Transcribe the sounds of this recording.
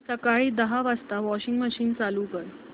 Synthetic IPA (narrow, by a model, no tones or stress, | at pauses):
səkaɭiːd̪əɦaʋast̪aʋɔɕiŋɡməɕiːnt͡saluːkəɾ